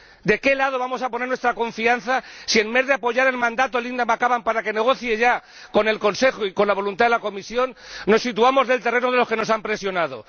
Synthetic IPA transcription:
d̪e̞ke̞laðo̞β̞amo̞saponeɾnwest̪ɾako̞ɱfianθasie̞mme̞zðeapo̞ʝaɾelmãnd̪at̪olind̪amakaβampaɾake̞ne̞ɣ̞o̞θje̞ʝa | ko̞ne̞lko̞nse̞xoiko̞nlaβ̞o̞lunt̪aðelako̞misjo̞nːo̞sit̪uamo̞zðe̞lt̪e̞renoð̞e̞lo̞ske̞no̞sampɾe̞sjo̞nað̞o̞̰

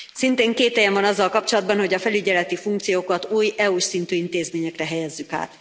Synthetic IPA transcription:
sint̪eːŋkeːt̪ːɛjɛɱvɒnɒzːɒlkɒpt͡ʃo̞lɒd̪bɒnho̞ɟɒfɛlyɟɛlɛt̪ifuŋkt̪sijoːkɒt̪uːjɛuʃsint̪yːint̪eːzmeːɲɛkrɛɦɛjɛzːyka̰ːt̪

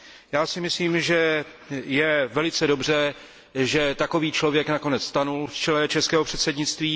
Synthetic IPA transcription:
jaːsɪmɪsliːmʒɛ | jɛvɛlɪt͡sɛdo̞br̝ɛ | ʒɛt̪ako̞viːt͡ʃlo̞vjɛknako̞nɛt͡sst̪anulft͡ʃɛlɛt͡ʃɛskɛːɦo̞pr̝̥ɛt̪sɛdɲɪt͡st̪viː

